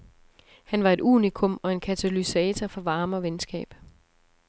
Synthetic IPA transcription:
hænʋɑ̈e̝dṵːnikʰɔ̽mɒ̽e̝nkʰæt͡sʰælysɛːt͡sʰɐfɒ̽ʋɑ̈ːməɒʋensɡ̥ɛ̰ːb̥

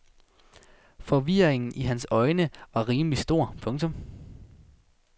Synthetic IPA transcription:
fɒ̽ʋiɐ̰eŋn̩iɦænsɒ̽ɪnəʋɑ̈ʁiːməlisd̥o̝ɐ̰pʰɔ̽ŋt͡sʰɔ̽m

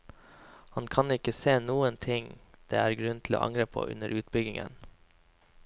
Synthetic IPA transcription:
hɑnkʰɑnɪkəseːnuːənt̪ʰɪŋd̪̥ḛːæːɾɡɾʉnt̪ʰɪl̩o̰ːʔɑ̰ŋɾeːpʰo̰ːʔʉ̰nəɾʔʉːt̪̚bʏɡɪŋə̰n

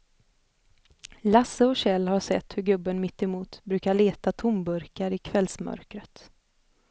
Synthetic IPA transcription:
lasːəɔɕɛlːhaʂɛ̰t̪ːhɵɾɡɵbːənmɪt̪ːɛmuːt̪bɾʉ̟ːkaɭeːt̪at̪ʰʊmbɵɾkaɾɪkʰvɛlsmœ̰ɾkɾət̪

